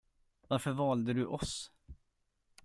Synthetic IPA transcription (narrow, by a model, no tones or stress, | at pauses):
vaɾfœɾvɑːld̪əd̪ɵʔɔs